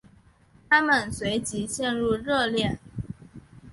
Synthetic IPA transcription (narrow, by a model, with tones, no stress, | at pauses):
t̪ʰa˥mə˨˩nswe˧˥ɪt͡ɕi˧˥ɕjɛ˥˧nɻu˥˧ɻɤ˥˧ljɛ˥˩n